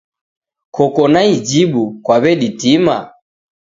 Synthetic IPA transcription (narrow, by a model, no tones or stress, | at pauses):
kʰɔkɔnaid͡ʒiɓukwaβɛɗitima